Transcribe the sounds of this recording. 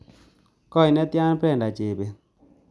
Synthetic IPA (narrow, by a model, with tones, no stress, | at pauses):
kɔ˦˨i˨nɛ˦tja˦n˦pɛ˦˨nda˨t͡ʃe˨be˨